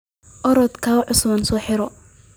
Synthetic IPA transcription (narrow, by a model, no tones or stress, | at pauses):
ʔɔɾɔːd̪kʰaːʕʊsmɐnsɔːħɪɾɔ